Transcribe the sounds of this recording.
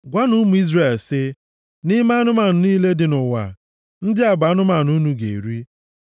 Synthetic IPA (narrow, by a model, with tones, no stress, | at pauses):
ɡʷa˦nu˦mu˨i˦zre˨lsɪ˦ | nɪ˦ma˦a˦nʊ˦ma˨nʊ˨niː˦le˦dɪ˨nʊ˨wa̰˨ | n̩˦dɪ˦a˨ba˨˦nʊ˦ma˨nu˦nu˨ɡḛ˨ɾi˦